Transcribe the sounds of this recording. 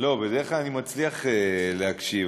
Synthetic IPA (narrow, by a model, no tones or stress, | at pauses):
lo̞bed̪eʁeχlalanimat͡sliaχeleɦakʃiv